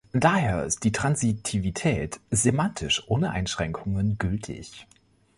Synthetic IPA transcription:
d̥aːheːɐɪ̰st̚d̥iːtʁ̥anzitʰivitʰɛːtz̥emantʰɪʃʔoːnəʔa̰ɪnʃʁ̥ɛŋkʰʊŋənɡʏltʰɪ̰ç

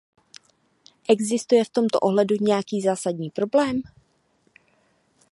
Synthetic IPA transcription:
ʔɛɡzɪst̪ujɛft̪o̞mt̪o̰ʔo̞ɦlɛduɲɛjakiːzaːsadɲiːpɾo̞blɛːm

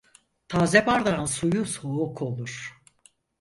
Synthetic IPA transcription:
t̪ʰaːzebaɾd̪ansujusoukʰo̞lˠuɾ̥

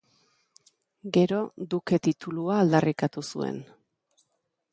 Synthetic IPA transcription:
ɡe̞ɾo̞d̪uke̞t̪it̪uluaːld̪arikat̪usṵe̞̰n

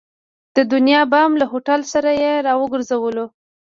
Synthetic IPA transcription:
d̪̥əd̪ʊnjɑbɑmlahoʈalsaɾajeɾɑwəɡəɾzawəlo

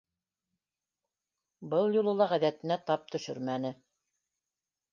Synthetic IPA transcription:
bɤlˠjulˠɤ̆lˠɑʁæðæt̪ɘ̆næt̪ɑp̚t̪ɵ̆ʃɵɾmænɘ

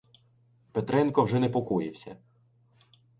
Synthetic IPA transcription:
pet̪ɾɛnkɔwʒɛnɛpɔkujɪwsʲɐ̰

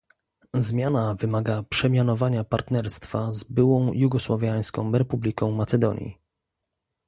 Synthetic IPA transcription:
zmʲjanavɘmaɡapʂɛmʲjanɔvaɲapaɾt̪nɛɾst̪fazbɘwɔ̃w̃juɡɔswavʲjaj̃skɔ̰̃w̃ɾɛpublʲikɔ̃w̃mat̪sɛd̪ɔɲjḭ

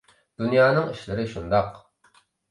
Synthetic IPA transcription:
d̪̥unjɑːnɨŋiʃlɪɾɪʃund̪ɑq

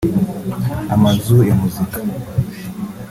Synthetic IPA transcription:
amazujamuzikḁ

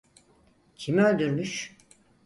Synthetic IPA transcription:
cʰimølʲd̪yɾmyʃ

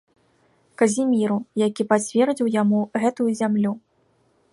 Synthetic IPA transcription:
kɐzʲimʲiɾujakʲipat͡sʲvʲɛrd͡zʲiwjamuɣɛt̪ujuzʲamlʲu

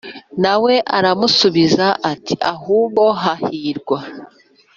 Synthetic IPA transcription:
nawe̞ʔaɾamusuβizaʔatiahuːβo̞ɦahiːɾɡwa

